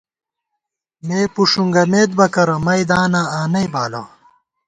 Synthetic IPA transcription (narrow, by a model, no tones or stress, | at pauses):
meːpuʂuŋɡɐmeːd̪̚bɐkɐɾɐmɐjd̪aːnaːaːnɐibaːlɐ̰ː